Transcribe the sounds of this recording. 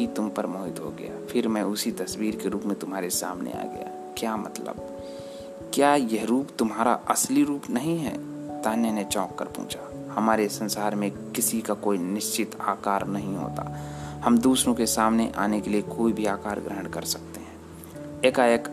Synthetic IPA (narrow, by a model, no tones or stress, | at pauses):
it̪ʊmpəɾmoːɦɪt̪ɦo̰ɡɐ̰ja̰pʰɪɾmɛ̃ʊsit̪ɐswiːɾkeɾuːpmẽt̪ʊmɦaːɾesa̰ːmnḛa̰ːɡɐ̰ja̰ | kjaːmɐ̰t̪lə̰b̚ | kjaːjeɦɾuːpt̪ʊmɦaːɾa̰ʔɐsliɾuːpnɐɦĩɦɛ̰ː | t̪aːnenet͡ʃɔ̃ːkːə̰ɾpṵ̃ːt͡ʃʰa | hɐmaːɾesɐ̃nsaːɾmẽ | kɪsikakoːinɪʃt͡ʃɪt̪aːkaːɾnɐɦĩɦo̰ːt̪a̰ːhɐmd̪uːsɾõkesaːmneʔa̰ːnekeliekoːibʱiaːkaːɾɡɾəɦəɳ̃kɐɾsɐk̚t̪eɦɛ̃ː | eːkaeːk